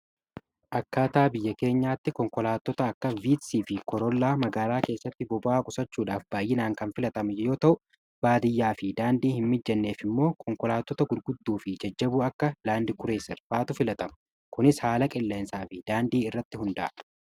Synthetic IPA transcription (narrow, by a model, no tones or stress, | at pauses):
ʔɐkːaːt̪aːbɪjːɐke̞ːɲːaːt̪ːɪkɔŋkɔlaːt̪ːɔt̪ɐːkːɐviːt̪siːfɪkɔɾɔlːaːmɐɡaːlaːke̞ːsːɐt̪ːɪbɔbaːkʼʊsɐt͡ʃːuːᶑaːfb̥aːjɪnaːŋkɐnfɪlɐt̪ɐmɐjjo̞ːt̪ɐʔʊ | b̥aːd̪ɪjːaːfɪd̪aːnd̪iːhɪmmɪd͡ʒːɐnːe̞ːfɪmːo̞ːkʰɔŋkɔlaːt̪ːɔt̪ɐɡʊɾɡʊd̪ːuːfɪd͡ʒɐd͡ʒːɐbuːɐkːɐlaːnd̪ɪkʊɾeːsɛɾfaːt̪ʊfɪlɐt̪ɐmɐ | kʊnɪshaːlɐkʼɪlːeːnsaːfɪd̪aːnd̪iːɪrːɐt̪ːɪhʊnd̪ɐʔɐ